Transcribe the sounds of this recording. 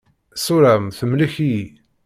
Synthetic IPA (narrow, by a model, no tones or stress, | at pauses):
suɾæmθəmləçiji